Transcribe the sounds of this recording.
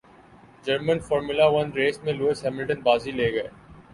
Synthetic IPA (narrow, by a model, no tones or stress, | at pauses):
d͡ʒəɾmə̃nfɔːɾmʊlaʋɐnɾeːsmẽloːɪsɦɛːmɪlʈənbaːzileːɡɐeː